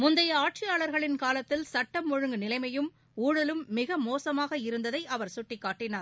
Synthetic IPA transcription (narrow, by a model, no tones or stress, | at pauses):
mʊnd̪ɐjɐaːʈ̚t͡ʃɪjaːɭɐɾɣɐɭɪnkaːlɐt̪ːɪlsɐʈːɐmːʊɻɯŋɡɯnɪlɐɪmɐjɯm | uːɻɐlɯmːɪɣɐmoːsɐmaːɣɐɪɾɯnd̪ɐðɐɪʔɐʋɐɾsʊʈːɪkːaːʈːɪnaːɾ